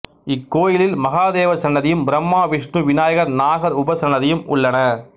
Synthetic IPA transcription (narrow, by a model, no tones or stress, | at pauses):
ɪkːoːjɪlɪlmɐɣaːðeːʋɐsɐnːɐðɪjɯmbɪɾɐmːaːʋɪʂɳɯʋɪnaːjɐɣɐɾnaːɣɐɾʊbɐsɐɳːɐðɪjɯmʔʊ̰ɭːɐnɐ